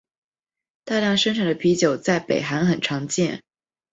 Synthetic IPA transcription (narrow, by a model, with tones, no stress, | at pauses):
t̪a˥˧ljɑ˥˩ŋʂə˥nʈ͡ʂʰɑ˨˩ŋd̪ə˦pʰi˧˥t͡ɕjo˨˩ʊt͡sa˥˩ɪpe˨˩ɪxa˧˥nxə˨˩nʈ͡ʂʰɑ˧˥ŋt͡ɕjɛ˥˩n